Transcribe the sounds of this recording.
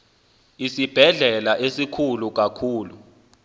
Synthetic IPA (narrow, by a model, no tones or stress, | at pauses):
isib̥ʱɛɮɛlaʔesikʰuluk̬ʼakʰuːlu